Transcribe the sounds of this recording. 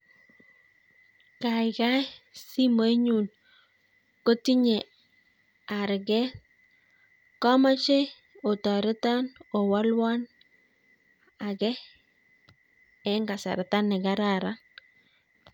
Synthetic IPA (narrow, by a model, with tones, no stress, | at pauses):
ka˨ɪka˦si˦mo˦i˦ɲu˨n | ko˦ti˦ɲe˨ | a˨ɾɡɛ˦ | kɔ˦ma˦t͡ʃe˦ | o˨tɔ˨ɾɪ˦tɔ˦no˨wa˦lwa˦n | a˨ɡɛ˦ | ɛ˦ŋɡa˨sa̰˨ɾta˦nɪ˨ɡa˦ɾa˨ɾa˦